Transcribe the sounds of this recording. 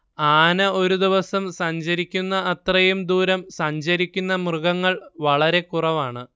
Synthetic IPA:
aːnɐo̞ɾud̪iʋɐsɐmsɐɲd͡ʑɐɾikʲːunːɐːt̪rɐjumd̪uːɾɐmsɐɲd͡ʑɐɾikʲːunːɐmrɨɣɐŋːɐɭʋɐɭɐɾe̞kurɐʋaːɳɨ

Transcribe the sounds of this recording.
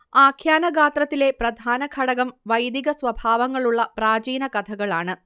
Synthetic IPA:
aːkʰjaːnɐɡaːt̪rɐt̪ːile̞prɐd̪ʱaːnɐkʰɐɽɐɣɐmʋɐjd̪iɣɐsʋɐbʱaːʋɐŋːɐɭuɭːɐpraːd͡ʑiːnɐkɐt̪ʰɐɣɐɭaːɳɨ

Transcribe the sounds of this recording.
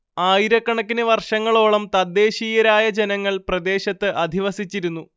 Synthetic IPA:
aːjiɾɐkːɐɳɐkːinɨʋɐrʂɐŋːɐɭo̞ːɭɐmt̪ɐd̪ːe̞ːɕiːjɐɾaːjɐd͡ʑe̞nɐŋːɐɭprɐd̪e̞ːɕɐt̪ːɨʔɐd̪ʱiʋɐsit͡ɕːiɾunːu

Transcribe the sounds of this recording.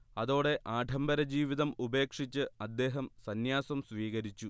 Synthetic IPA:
ɐðo̞ːɽe̞ʔaːɖʱɐmbɐɾɐd͡ʑiːʋiðɐmube̞ːkʂit͡ɕːɨɐd̪ːe̞ːɦɐmsɐnjaːsɐmsʋiːɣɐɾit͡ɕːu

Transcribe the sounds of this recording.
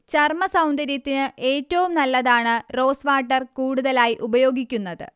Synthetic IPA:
t͡ɕɐrmɐsɐwnd̪ɐɾjɐt̪ːinɨʔe̞ːtːɐʋumnɐlːɐðaːɳɨro̞ːsʋaːʈːɐrkuːɽuðɐlaːjiʔubɐjo̞ːɡikʲːunːɐðɨ̰

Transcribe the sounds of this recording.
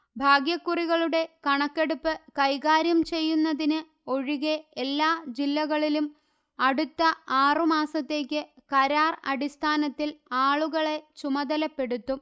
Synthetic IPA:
bʱaːɡjɐkːuriɣɐɭuɽe̞kɐɳɐkːe̞ɽupːɨkɐjɣaːɾjɐmt͡ɕe̞jːunːɐðinɨ | o̞ɻiɣeelːaːd͡ʑilːɐɣɐɭilum | ɐɽut̪ːɐaːrɨmaːsɐt̪ːe̞ːk̬ʲːɨkɐɾaːrɐ̰ɽist̪ʰaːnɐt̪ːilaːɭuɣɐɭe̞t͡ɕumɐd̪ɐlɐpːe̞ɽut̪ːum

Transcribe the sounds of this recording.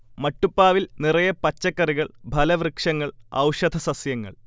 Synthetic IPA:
mɐʈːupːaːʋilnirɐjɐpɐt͡ɕːɐkːɐriɣɐɭbʱɐlɐʋrɨkʂɐŋːɐɭɐ̰wʂɐd̪ʱɐsɐsjɐŋːɐ̰ɭ

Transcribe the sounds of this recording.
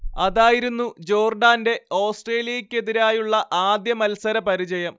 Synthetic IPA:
ɐðaːjiɾunːud͡ʑo̞ːrɖaːnde̞o̞ːsʈre̞ːljɐjikʲːe̞ðiɾaːjuɭːɐʔaːd̪jɐmɐlsɐɾɐpɐɾid͡ʑɐjɐm

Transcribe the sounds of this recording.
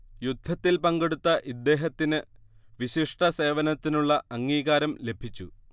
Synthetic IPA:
jud̪ʱːɐt̪ːilpɐŋɡeɽut̪ːɐʔid̪ːe̞ːɦɐt̪ːinɨʋiɕiʂʈɐse̞ːʋɐnɐt̪ːinuɭːɐɐŋːiːɣaːɾɐmle̞bʱit͡ɕːu

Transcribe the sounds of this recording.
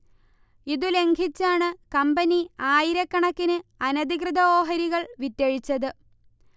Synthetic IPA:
iðule̞ŋɡʱit͡ɕːaːɳɨkɐmbɐniaːjiɾɐkːɐɳɐkːinɨɐnɐd̪ikrɨðɐoːɦɐɾiɣɐɭʋit̪ːɐɻit͡ɕːɐðɨ

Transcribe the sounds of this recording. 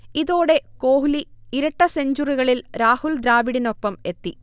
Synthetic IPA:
iðo̞ːɽe̞ko̞ːɦuliiɾɐʈːɐse̞ɲd͡ʑuriɣɐɭilɾaːhuld̪ɾaːʋiɽino̞pːɐme̞t̪ːi

